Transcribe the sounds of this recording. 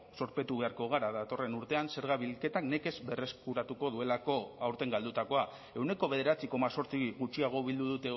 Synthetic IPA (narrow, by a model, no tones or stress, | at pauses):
so̞ɾpe̞t̪uβe̞aɾko̞ɣ̞aɾaðat̪o̞re̞nuɾt̪e̞anse̞ɾɣ̞aβilke̞t̪akne̞ke̞zbe̞re̞skuɾat̪uko̞ðue̞lako̞awɾt̪e̞ŋɡald̪ut̪ako̞a | e̞wne̞ko̞βe̞ðe̞ɾat͡siko̞maso̞ɾt͡siɣut͡ʃiaɣ̞o̞βild̪uðut̪e̞